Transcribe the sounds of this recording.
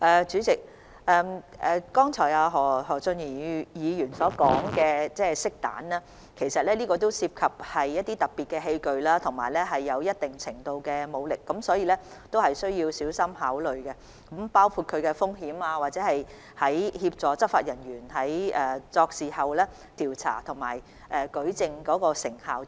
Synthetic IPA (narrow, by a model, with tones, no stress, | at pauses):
ʔɛː˨t͡syː˨˥t͡sɪ˨k̚ | ʔɛː˨mʔɛː˨kɔː˥ŋt͡sʰɔː˨˩aː˨˧ɦɔː˨˩ɦɔː˨˩t͡sɵ˧njiː˨˩jiː˨˧jyː˨˩nsɔː˨˥kɔ̰ː˨˥ŋkɛː˧t͡sɛː˥˩sɪ˥k̚t̪a̰ː˨˥nlaː˥ | kʰe˨˩jsɐ˨t̚lɛː˥niː˥kɔː˧t̪̬o˥wsiː˧p̚kʰɐ˨p̚hɐ˨jjːɐ˥t̪̚ːiː˥t̪ɐ˨˩t̚pːi˨t̚kɛː˧ɦe˧jkɵ˨ɥlaː˥t̪ʰʊ˨˩ŋmaː˨˩jlɛː˥ɦɐ˨jːɐ˨˧wjɐ˥t̚t̪ɪ˨ŋt͡sʰɪ˨˩ŋt̪o˧wkɛː˧mo˨˧wlɪ˨kːɐ˨˥msɔː˨˥jiː˨˧lɛ˥ | t̪o˥whɐ˨jsɵ˥ɥjiː˧wsiː˨˥wsɐ˥mhaː˨˥wlɵ˨ɥkɛ˧ | kɐ˨˥mpaː˥wkʰuː˧t̚kʰɵ˨˧ɥkɛ˧fʊ˥ŋɦiː˨˥maː˧waː˨t̚t͡sɛː˨˦˥hɐ˨j | hɐ˨˥jhiː˧p̚t͡sɔː˨˧t͡sɐ˥faː˧t̚jɐ˨˩njyː˨˩nɦɐ˨˥jʔɛː˨t͡sɔː˧k̚siː˨˩hɐ˨wlɛː˥ | t̪ʰiː˨˩wt͡sʰa̰ː˨˩t̪ʰʊ˨˩ŋma̰ː˨˩j | ʔɛː˨kɵ˨˥ɥt͡sɪ˨˧ŋkɔː˨˥kɔː˧sɪ˨˩ŋhaː˨w